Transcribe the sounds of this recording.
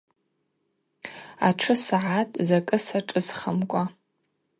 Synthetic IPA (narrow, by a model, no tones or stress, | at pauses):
aʈ͡ʂʰɨsaʕatʼzakʼɨsaʈ͡ʂʼɨzχəmkʷʼa